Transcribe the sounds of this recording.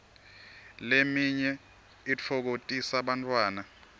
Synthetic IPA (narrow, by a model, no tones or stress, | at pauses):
lemiɲɛ | it͡fʰɔk̬otʼisaɓantʼwaːna